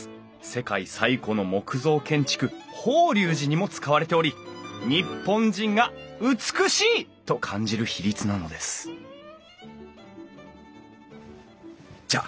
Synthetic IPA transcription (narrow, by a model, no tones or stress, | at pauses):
se̞kaisaiko̞no̞mo̞kɯ̟zo̞ːkẽ̞ɲ̟t͡ɕi̥kɯ̟hoːɾʲɨːʑiɲ̟imo̞t͡sɨ̥kaβaɾe̞t̪e̞o̞ɾʲiɲ̟ipːõ̞ɲd͡ʑĩŋɡaɯ̟t͡sɨ̥kɯ̟ɕiːt̪o̞kʰãɲ̟d͡ʑiɾɯ̟çiɾʲit͡sɨnano̞d̪e̞sɨ̥ | d͡ʑa̰